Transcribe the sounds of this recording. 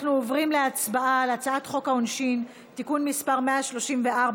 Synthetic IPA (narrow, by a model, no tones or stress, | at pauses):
χnuovʁimleat͡sbaalat͡saatχo̞kaonʃin | tikunmispaʁmeaʃlo̞ʃimveʔaʁb